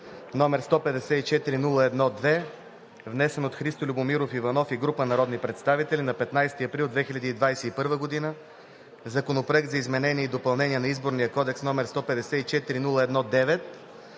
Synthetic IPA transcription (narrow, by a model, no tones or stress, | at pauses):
nɔmɛɾst̪ɔpɛd̪ɛsɛit͡ʃɛt̪iɾinulˠəɛd̪nɔd̪vɛ | vnɛsɛnot̪xɾist̪olʲubomiɾofivɐnɔfiɡɾupənɐɾɔd̪nipɾɛt̪st̪avit̪ɛlʲinɐpɛt̪najst̪iɐpɾilˠd̪vɛxilʲɐd̪iːd̪vajsɛipɤɾvəɡod̪inə | zɐkonopɾoɛk̚t̪zɐizmɛnɛniɛid̪opɐlˠnɛniɛnɐizboɾnijəkɔd̪ɛksnɔmɛɾst̪ɔpɛd̪ɛsɛit͡ʃɛt̪iɾinulˠəɛd̪nɔd̪ɛvɛt̪̚